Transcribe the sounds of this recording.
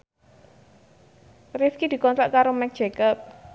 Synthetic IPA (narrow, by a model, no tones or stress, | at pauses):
rifkid̪̥i̤kɔnt̪ɾaʔkaɾomɛk̚d̥ʒ̥ekəp̚